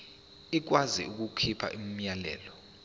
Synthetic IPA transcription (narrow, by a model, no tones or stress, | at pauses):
ik̬wazḭuk̬ukʰipʰa̰ʔim̩ɲalɛ̰ːlɔ